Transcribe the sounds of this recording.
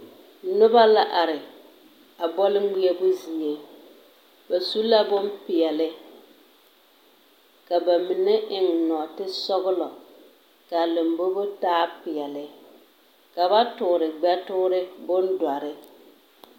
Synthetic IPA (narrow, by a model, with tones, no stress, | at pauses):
nʊ˦ba˦la˦ʔa˨ɾɪ˨ | a˨bɔ˦lɪ˦ɡ͡bi˦e˦bʊ˦zi˨e˨ | ba˨su˦la˦bʊ˦mpɪ˨ɛ˨lɪ˦ | ka˨ba˨mɪ˨nɛ˦ʔɪ˨ŋnɔ˨tɪ˦sɔ˦ɣʊ˦lɔ˨ | ka˨lɪ˨mbo˦bʊ˦taː˦pɪ˨ɛ˨lɪ˨ | ka˨ba˦tʊ˨ɾɪ˨ɡ͡bɛ˦tʊ˦ɾɪ˦bʊ˦ndwa˨ɾɪ˦